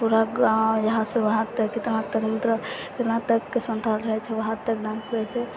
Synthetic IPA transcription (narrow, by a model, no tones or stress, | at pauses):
puɾajəɦãsẽʋaɦat̪əkːit̪ɾnat̪əkmit̪ɾəkit̪nat̪əkːesənt̪ʰalɾəɦɛt͡ʃʰɛʋaɦat̪ːək̚ɖãnsɾɛt͡ʃʰɛ